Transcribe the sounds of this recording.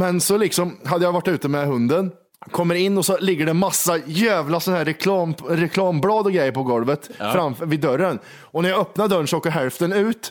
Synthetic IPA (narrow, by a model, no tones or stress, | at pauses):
mɛnsɔlɪksɔmɦad̪ːəjavaʈːʉ̟ːt̪əmɛɦɵnd̪ən | kʰɔmːəɾɪnːɔsɔlɪɡːəɖɛmasːajæːvlasɔnahæɾɛkʰlɑːmɾɛkʰlɑːmblɑːd̪ɔɡɾɛjːəɾpɔɡɔlvət̪fɾamvɪd̪ːœɾːən | ɔnæɾjɑœpnaɖ̪œɾɳʂɔoːkːəɾɦɛlft̪ənʉ̟ːt̪